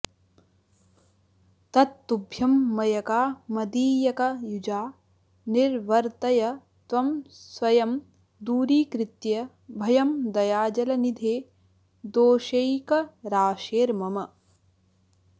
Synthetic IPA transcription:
t̪ɐt̪ːubʱjɐmːɐjɐkaːmɐd̪iːjɐkɐjud͡ʒaː | niɾʋɐɾt̪ɐjɐ | t̪ʋɐmsʋɐjɐm | d̪uːɾiːkɾɪt̪jɐ | bʱɐjɐmd̪ɐjaːd͡ʒɐlɐnid̪ʱeː | d̪oːʃejkɐɾaːʃeːɾmɐmɐ

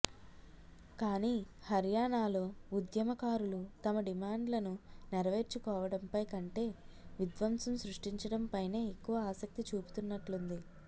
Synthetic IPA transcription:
kaːniːhɐɾjaːɳaːlo̞ːud̪jɐmɐkaːɾulut̪ɐmɐɖimaːɳɖlɐnunɛɾɐʋe̞ːɾt͡ʃukɔːʋɐɽɐmpɐjkɐɳʈe̞ːʋid̪ʋɐmsɐmsɾuʂʈiɲt͡ʃɐɽɐmpɐjne̞ːekːuʋɐaːsɐk̚t̪it͡ʃuːpu̥t̪unːɐʈlund̪i

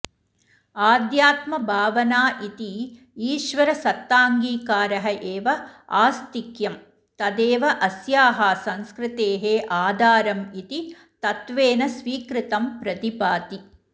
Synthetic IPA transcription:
aːd̪jaːt̪mɐbʱaːʋɐnaːʔit̪i | iːʃʋɐɾɐsɐt̪ːaːŋɡiːkaːɾɐɦɐʔeːʋɐaːst̪ikjɐm | t̪ɐd̪eːʋɐʔɐsjaːɦɐsɐŋskɾɪt̪eːɦeːʔaːd̪ʱaːɾɐmit̪i | t̪ɐt̪ʋeːnɐsʋiːkɾɪt̪ɐmpɾɐt̪ipaːt̪i

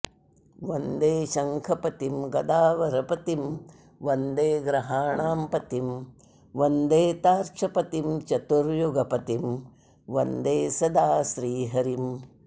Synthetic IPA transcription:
ʋɐnd̪eːʃɐŋkʰɐpɐt̪imɡɐd̪aːʋɐɾɐpɐt̪im | ʋɐnd̪eːɡɾɐɦaːɳaːmpɐt̪im | ʋɐnd̪eːt̪aːɾt͡ʃɐpɐt̪imt͡ʃɐt̪uɾjuɡɐpɐt̪im | ʋɐnd̪eːsɐd̪aːʃɾiːɦɐɾim

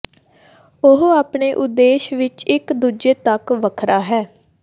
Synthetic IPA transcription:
ʊɦaːpɳeːʔʊd̪ːeːʃʋɪt͡ʃɪkd̪uːd͡ʒeːt̪əkʋəkʰɾaːɦɛː

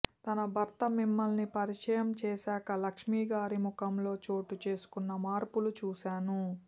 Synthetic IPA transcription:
t̪ɐnɐbʱɐɾt̪ɐmimːɐlnipɐɾiʂɐjɐmt͡ʃeːsaːkɐlɐkʂmiːɡaːɾimukɐmlo̞ːt͡ʃo̞ːʈut͡ʃe̞ːsu̥kunːɐmaːɾpulut͡ʃuːʃaːnu

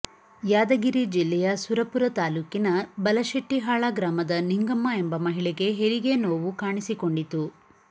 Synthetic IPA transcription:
jaːd̪ɐɡiɾid͡ʒilːɛjɐsuɾɐpuɾɐt̪aːluːkinɐbɐlɐʃɐʈːiɦaːɭaːɡɾaːmɐd̪ɐniŋɡɐmːɐe̞mbɐmɐɦiɭɛɡe̞ɦeɾiɡe̞noːʋukaːɳisiko̞ɳɖit̪u

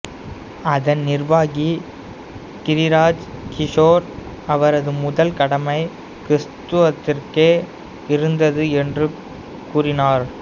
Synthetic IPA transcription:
ɐðɐnnɪrʋaːɣi | kɪɾɪɾaːd͡ʒkɪʂoːɾ | ɐʋɐɾɐðɯmʊðɐlkɐɽɐmɐɪ | kɾɪst̪ɯʋɐt̪ːɪrkeː | ɪɾɯnd̪ɐðɯɛndrɯ | kuːrɪnaːɾ

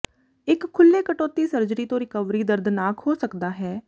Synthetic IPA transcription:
ɪkʰːʊlːeːkəʈoːt̪iːsəɾd͡ʒɾiːt̪õːɾɪkəʋɾiːd̪əɾd̪naːkhoːsəkd̪aːɦɛː

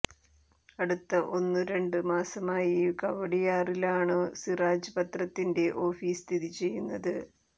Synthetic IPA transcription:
ɐɽut̪ːɐʔo̞nːɨɾe̞ɳɖɨmaːsɐmaːjikɐʋɐɽijaːrilaːɳɨsiraːd͡ʑɐpɐt̪rɐt̪ːinde̞ʔo̞ːfiːst̪ʰiðit͡ɕe̞jːunːɐðɨ

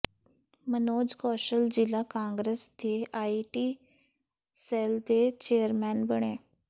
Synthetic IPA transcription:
mənoːd͡ʒkɔːʃəld͡ʒɪlaːkãːŋɡɾesd̪eːʔaːiʈiː | sɛːld̪eːt͡ʃeːəɾmɛːnbəɳ̃eː

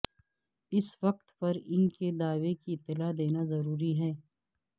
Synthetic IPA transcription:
ɪsʋɐq̚t̪pɐɾɪnked̪aːʋekiɪt̪ːɪlad̪eːnazɐɾuːɾiɦɛː

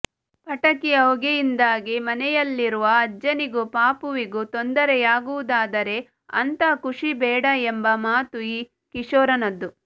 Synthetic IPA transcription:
pɐʈɐkiɐuɡejind̪aːɡimɐnɛjɐlːiɾuʋɐːd͡ʒːɐniɡupaːpuʋiɡut̪ond̪ɐɾɛjaːɡuʋud̪aːd̪ɐɾe̞ | ɐ̰nt̪ɐkuʂibɛːɽɐembɐmaːt̪uiː | kiʂɔːɾɐnɐd̪ːu

